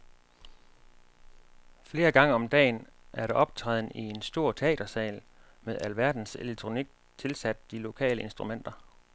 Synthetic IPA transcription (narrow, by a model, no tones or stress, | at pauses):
fle̝ːɐɡ̥ɑ̈ŋəɒ̽md̥ɛ̰ːnʔæɐɾ̥eʔɒ̽b̥̚t͡sʰʁɛ̰ːðˠn̩ie̝nsd̥o̝ɐ̰t͡sʰe̝ɛ̰ːd̥ɐsɛ̰ːl | meðˠælʋæɐd̥n̩seleɡ̥̚t͡sʰʁo̝niɡ̥̚ | t͡sʰe̝lsæd̥̚ːilo̝kʰɛ̰ːləe̝nsd̥ʁumen̰d̥ɐ